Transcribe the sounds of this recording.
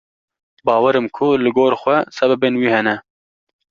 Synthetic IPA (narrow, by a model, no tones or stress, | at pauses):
bɑːwɛɾɨmkʰʊlɨɡoːɾxʷɛsɛbɛbenwiːhɛnɛ